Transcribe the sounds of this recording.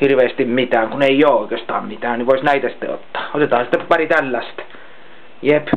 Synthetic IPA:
hirʋeːst̪immit̪æːŋkuneijoːoˑikeːst̪ɑ̰ːmmit̪æːnniʋoˑisnæit̪æsi̥t̪ːḛo̰t̪ːɑ̥ːot̪et̪ɑːhɑsi̥t̪ːeppɑrit̪ælːæst̪ | jep

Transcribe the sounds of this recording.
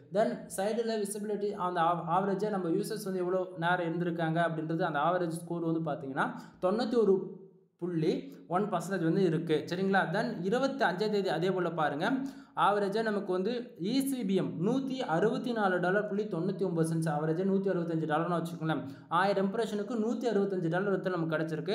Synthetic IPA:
d̪ɐnsɐɪɖlɐʋɪsɪbɪlɪʈːiɐnd̪ɐaːʋɐɾɐd͡ʒɐnɐmːɐjuːsɛsʋɐnd̪ɯɛʋːɐɭoːneːɾɐ̃ɪɾɯnd̪ɪɾɯkːaːŋɡɐːɐpːɐɽɪnɾɐðɯɐnd̪ɐaːʋɐɾɐd͡ʒskoːɾɯʋɐnd̪ɯpaːɾt̪iːŋɡɐnːaːt̪ɔɳːɐt̪ːiɔɾɯ | pʊɭːiʋɔnpɐsɐnd̪ɐːd͡ʒʋɐnd̪ɯɪɾɯkːɯsɐɾɪŋɡɐɭaːd̪ɐnɪɾɯbɐt̪ːiɐɲd͡ʒɐt̪eːðiɐðeːpoːɭɐpaːɾɯŋɡɐaːʋɐɾɐd͡ʒɐnɐmɐkːɯʋɐnd̪ɯ | iːsʋiːbɪjɛmnuːt̪ːiʔɐɾɯbɐt̪ːinaːlɯɖaːlɐɾpʊɭːit̪ɔɳːɐt̪ːiɔmbɐðɯsɐɲd͡ʒɯaːʋɐɾɐd͡ʒɐnuːt̪ːiɐɾɯbɐt̪̬ːiɐɲd͡ʒɯɖaːlɐɾnãːʋɐt͡ʃːɯkɯɐŋɡɐlɐ | aːjɪɾɛmpɐɾeːʂɐnɯkːɯnuːt̪ːiɐɾɯbɐt̪ːɐɲd͡ʒɯɖaːlɐɾʋɐt̪ːɪlnɐmːɐkːɐɽɛt͡ʃːɪɾɯkːɯ

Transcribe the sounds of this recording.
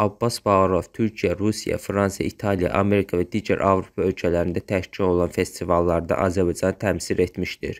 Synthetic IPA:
ɑbːɑsbɑɣɾov̥t̪ʰyɾcʰijæɾusijæ̰fɾɑnsɑ̰ʔit̪ʰɑlijɑ̰ʔɑme̞ɾikʰɑvæd̪iːɟæɾʔɑvɾopʰɑø̞lcʰælæɾind̪æt̪ʰæʃt͡ʃʰino̞lˠɑnfe̞st̪ivɑlˠːɑɾd̪ɑ̰ʔɑzæɾbɑjd͡ʒɑnɯt̪ʰæmsiɾe̞t̪miʃt̪ḭɾ

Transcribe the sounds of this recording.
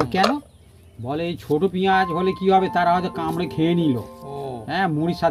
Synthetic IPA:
kɛːloː | bɔːlet͡ʃʰoʈopijãt͡ʃbɔlekiɦɔbet̪aɾaɦɔt̪ekamɽẽkʰeːniːlo̰ːɛ̃mũɾisat̪

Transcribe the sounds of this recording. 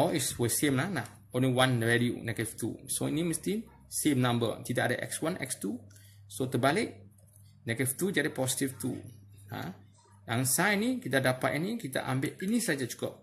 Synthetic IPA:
ɔliswəsemlahnah | õnliwanɹɛliṵnɛɡət̪ift̪ṵsoḭnimə̃st̪i | semnãmbə̰t̪idaʔadaʔɛ̰kswanʔɛ̰kst̪u | sot̪əbalɪʔ̚ | nɛɡət̪ift̪ud͡ʒadipɔsi̥t̪ift̪ṵhã̰ | jaŋsainikit̪adapat̪̚inikit̪a̰ʔambɪʔinisad͡ʒat͡ʃu̥kɔp̚

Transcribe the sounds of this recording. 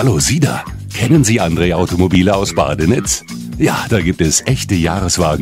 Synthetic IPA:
haloːziːda̰ | kʰɛnənziːʔandʁeːʔaʊtomobiːləaʊsb̥a̰ːdənɪt͡s | jaːd̥aːɡiːp̚tɛsʔɛçtəjaːʁəsv̥aːɡŋ̩

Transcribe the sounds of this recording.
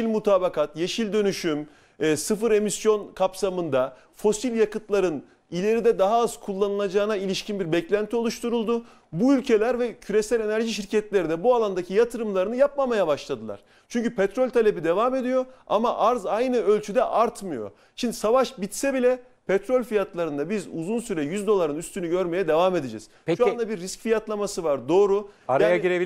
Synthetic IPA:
ilʲmut̪ʰaːbakat̪je̞ʃilʲd̪ø̞nyʃymː | sɯfɯɾe̞misjo̞nkʰapsamɯnd̪a | fo̞silʲjakɯt̪lˠaɾɯn | ilʲe̞ɾid̪ɛd̪aɦaaz̥kʰulˠːanɯlˠad͡ʒaːɯnailʲiʃcinbiɾbɛclʲænt̪ʰio̞lˠuʃt̪ʰuɾulˠd̪ʊ | buylʲcʰe̞lʲæɾvɛcʰyɾe̞sælʲe̞næɾʒiʃiɾcʰɛt̪lʲe̞ɾid̪ɛbualˠand̪acʰijat̪ʰɯɾɯmlˠaɾɯnɯjap̚mamajabaʃlˠad̪ɯlˠa̰ɾ̥ | t͡ʃʰyɲcʰypʰɛt̪ɾo̞lʲt̪ʰalʲe̞bid̪e̞vame̞d̪ijo̞a̰maʔaɾzajnɯø̞lʲt͡ʃʰyd̪ɛʔaɾt̪mɯjo̞̰ | ʃind̪isavaʃbit̪sɛbilʲɛ | pʰɛt̪ɾo̞lʲfijat̪lˠaɾɯnd̪abizuzunsyɾɛjyzd̪o̞lˠaɾɯnyst̪ʰynyɟø̞ɾme̞jɛd̪e̞vame̞d̪ed͡ʒɛ̰z̥pʃuand̪abiɾːiscfijat̪lˠamasɯvaɾd̪o̞ːɾuaɾajaiɾe

